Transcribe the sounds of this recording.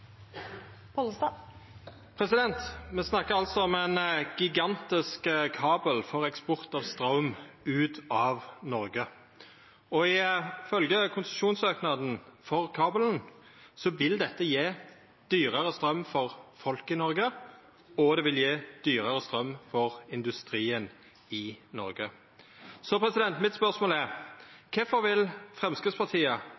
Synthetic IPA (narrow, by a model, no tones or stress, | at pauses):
pʰolst̪ɑ | pʰɾɛsɪd̪ɛnt̪mɛsnɑkːəʁɑlt̪sɔɔmɛnɡ̥ɪɡɑnt̪ɪskkʰɑːbəlfɔʁɛkspɔʁt̪ɑʋst̪ɾɑʊm | ʉːt̪ɑːʋnɔʁɡə | ɔɪfœlɡəkʰʊnsʃuːnsøːknɑd̪n̩fɔʁkʰɑːbəln̩sɔʋɪld̪ɛt̪ːəjeː | d̪̥yːʁəʁəst̪ɾœmfɔʁfɔlkɪnɔɾɡə | ɔd̪ɛʋɪljeːd̪̥yːɾəʁəst̪ɾœmːfɔʁɪnd̪ʉst̪ɾiːən | ɪnɔɾɡə | sɔpʰɾɛsɪd̪ɛnt̪mɪt̪spœʁsmoːlæʁkʰɛfɔʋɪlfʁɛmskɾɪd̪spɑʁt̪ʰiːə